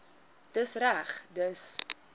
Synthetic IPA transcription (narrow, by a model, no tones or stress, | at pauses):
d̥əsræχdəs